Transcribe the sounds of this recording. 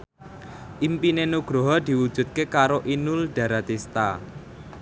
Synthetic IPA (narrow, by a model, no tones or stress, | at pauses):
ʔimpinenuɡ̥ɾoɦɔd̪̥i̤wud̥ʒ̥ṳt̪̚kekaɾoʔinulɖ̪̥ä̤ɾat̪ist̪a̰